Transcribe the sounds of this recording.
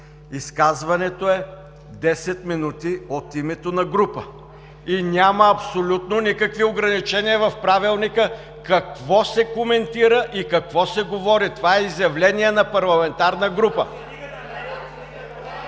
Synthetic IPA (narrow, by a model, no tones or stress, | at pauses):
iskazvɐnɛt̪oɛ | d̪ɛsɛt̪minut̪iot̪imɛt̪onɐɡɾupə | inʲaməɐpsolʲut̪nonikɐkvioɡɾɐnit͡ʃɛniəvɐfpɾavilˠnikə | kɐkvɔsɛkomɛnt̪iɾəʔikɐkvɔsɛɡovɔɾit̪ovaɛizjɐvlɛniɛnɐpɐɾlˠɐmɛnt̪aɾnəɡɾupə